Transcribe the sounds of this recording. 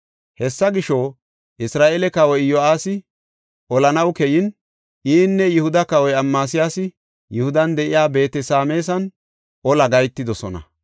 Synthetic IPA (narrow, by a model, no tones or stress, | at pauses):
hɛsːɐɡɪʃɔː | ʔɪsɾaːʔɛlɛkɐwɔjjɔaːsɪ | ʔɔlɐnɐwkɛjɪn | ʔiːnːɛjʊhʊd̪ɐkɐwɔjɐmːaːsɪjaːsɪ | jʊhʊd̪ɐnd̪ɛʔɪjaːbe̞ːt̪ɛsaːme̞ːs̬ɐn | ʔɔlɐɡɐjt̪ːɪd̪ɔsɔnɐ̰